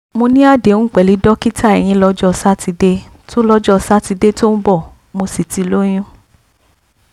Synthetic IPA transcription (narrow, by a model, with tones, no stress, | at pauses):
mo˧nĩ˦a˦˨de˨n̩ũ˦k͡pɛ˨li˨˧˦dɔ˦ki˦ta˦ɛ˨j̃ĩ˧lɔ˦d͡ʒɔ˦˧sa˦ti˧de˦ | to˦lɔ˦d͡ʒɔ˦˧sa˦ti˧de˦to˦n̩˦bɔ˦˨ | mo˧si˨ti˧˨lo˦j̃ũ˦